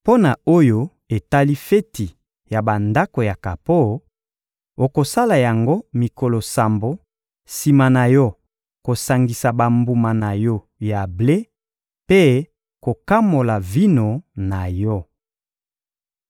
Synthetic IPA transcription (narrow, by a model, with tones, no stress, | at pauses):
po˦na˨o˦jo˦ | e˨ta˦li˦fe˦ti˨ | ja˨ba˨nda˦ko˨ja˨ka˨po˦ | o˨ko˨sa˦la˨ja˨ŋɡo˦mi˨ko˨lo˨sa˨mbo˨ | si˨ma˨na˨jɔ˦ | ko˨sa˨ŋɡi˨sa˨ba˨mbu˨ma˨na˨jɔ˦ | ja˨ble˦ | pe˦ | ko˨ka˦mo˨la˨vi˦no˨na˨jɔ˦